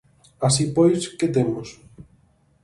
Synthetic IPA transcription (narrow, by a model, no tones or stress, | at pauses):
asipojsket̪emos